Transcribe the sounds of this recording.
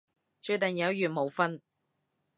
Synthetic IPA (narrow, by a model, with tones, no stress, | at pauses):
t͡ʃɵ˨˧ɥt̪ɐ˨ŋjɐ˨˥wjyː˨˩nmo˨˧wfɐ˥n